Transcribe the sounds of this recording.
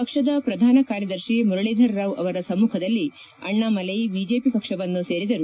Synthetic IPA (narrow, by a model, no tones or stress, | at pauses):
pɐkʂɐd̪ɐpɾɐd̪ʱaːnɐkaːɾjɐd̪ɐɾʃimuɾɐɭeːd̪ʱɐɾɾaːʋɐ̰ʋɐɾɐsɐmːuːkʰɐd̪ɐlːi | ɐ̰ɳːaːmɐlɐjbid͡ʒeːpipɐkʂɐʋɐnːuseːɾid̪ɐɾu